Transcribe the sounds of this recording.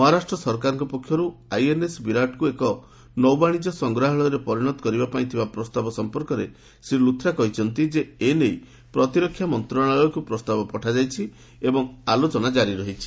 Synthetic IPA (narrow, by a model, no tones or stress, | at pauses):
mɔɦaɾasʈɾɔsɔɾkaɾɔŋkɔpɔkʰjɔɾuajenesbiɾaʈkuekɔ | nɔwbaɽ̃id͡ʒɔsɔŋɡɾaɦɔɭ̃ɔɾepɔɾiɽ̃ɔt̪ɔ̥kɔɾibapaĩt̪ʰibapɾɔst̪abɔsɔmpɔɾkɔɾḛ | sɾilut̪ʰːɾakɔɦit͡ʃʰɔnt̪id͡ʒeenej | pɾɔt̪iɾɔkʰːjamɔnt̪ɾɔɽ̃aɔjɔkupɾɔst̪abɔpɔʈʰad͡ʒajt͡ʃʰi | ebɔŋalot͡ʃɔnad͡ʒaɾiɾɔɦit͡ʃʰi̥